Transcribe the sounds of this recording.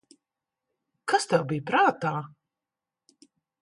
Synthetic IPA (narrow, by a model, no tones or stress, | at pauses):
kast̪ɛwbijpɾaːt̪aː